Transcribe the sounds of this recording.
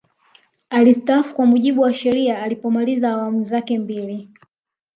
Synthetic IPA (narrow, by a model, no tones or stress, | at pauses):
alistaafu̥kwamuʄiɓuwaʃɛɾiaːlipɔmalizaːwamuzakɛmbili